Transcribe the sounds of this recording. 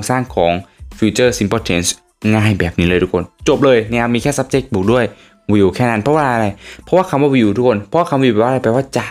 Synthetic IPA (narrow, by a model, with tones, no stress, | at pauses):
ŋsaː˥˩ŋkʰɔː˩˦ŋfiː˧t͡ɕɤː˥˩si˧mpʰɔː˧˩t̪ʰe˧ns | ŋaː˥˩jbɛː˨˩p̚niː˦˥lɤː˧jt̪ʰu˥kʰo˧nt͡ɕo˨˩p̚lɤː˧jna˦˥˧a˥miː˧kʰɛː˥˩sa˦˥p̚t͡ɕe˦˥k̚bu˨˩k̚du˥˩əj | wi˧wkʰɛː˥˩na˦˥˩npʰɔ˦˥waː˧la˧ɾa˧jpʰɔ˦˥waː˥˩kʰa˧mwaː˧˩wi˧˩˨wt̪ʰu˦˥kʰːo˧npʰɔ˦˥waː˥˩ka˧mwi˧˩˨ɛː˨˩a˧a˧paː˧˩waː˥˩t͡ɕa˨˩